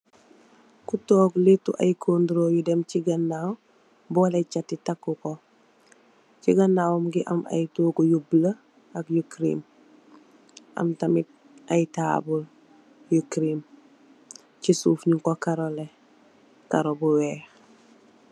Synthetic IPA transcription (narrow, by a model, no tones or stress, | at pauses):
kutoːɡlitːuʔa̰jkʰoːnduɾoːjudɛmciɡɐnːaw | bɔlɐcatːitakːukɔ | ciɡɐnːaːwmɡiʔɐma̰jtuːkujublə | ɐkjukɾḭm | ʔɐ̰mtɐmit̚ | ʔɐjtaːbul | jukɾim | cisuːfɲiŋkokaɾole | kaɾobuwɛːx